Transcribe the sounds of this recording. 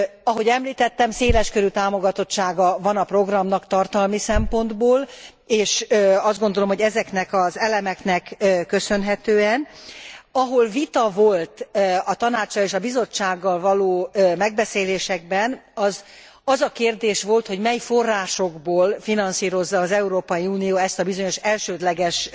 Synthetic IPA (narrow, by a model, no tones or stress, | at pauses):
ɒɦo̞ɟɛmliːt̪ɛt̪ːɛmseːlɛʃkøɾyt̪aːmo̞ɡɒt̪o̞tt͡ʃːaːɡɒvɒnɒpro̞ɡrɒmnɒkt̪ɒrt̪ɒlmisɛmpo̞nd̪boːl | eːʃɒzd̪ɡond̪o̞lo̞mhoɟɛzɛknɛkɒzɛlɛmɛknɛkːøsø̞nɦɛt̪øːɛn | ɒɦo̞lvit̪ɒvo̞lt̪ɒt̪ɒnaːt͡ʃɒleːʃɒbizo̞t͡ʃːaːɡːɒlvɒloːmɛɡ̚bɛseːleːʃɛɡ̚bɛnɒz | ɒzɒkeːrd̪eːʃʋo̞lt̪ho̞ɟmɛjifo̞rːaːʃo̞ɡboːlfinɒnsiːɾo̞zːɒːzɛuɾoːpɒjiuːnijoːɛst̪ɒbizo̞ɲo̞ʃɛlʃøːd̪lɛɡɛʃ